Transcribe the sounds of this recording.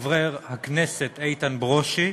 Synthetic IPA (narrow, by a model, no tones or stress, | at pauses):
vʁeʁhakneset̪ejt̪anbʁoʃi